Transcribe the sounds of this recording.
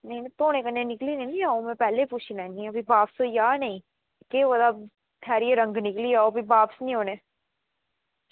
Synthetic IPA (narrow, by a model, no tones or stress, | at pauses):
nɐĩnɐt̪oːñẽkɐnẽnɪklinɐ̃nĩaːomɛ̃pɛːlepuːt͡ʃʰinãnĩɐbʱibaːpsoijaːnɐĩ | keʋod̪a | t̪ʰɛːɾieɾɐ̃ŋɡnɪkliaːobʱibaːpsnĩɦoːneː